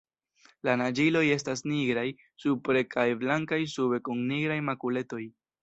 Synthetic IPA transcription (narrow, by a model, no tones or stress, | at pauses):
lanad͡ʒilo̞je̞stasniɡɾaj | supɾe̞kʰajblaŋkajsube̞kuŋniɡɾajmakule̞to̞j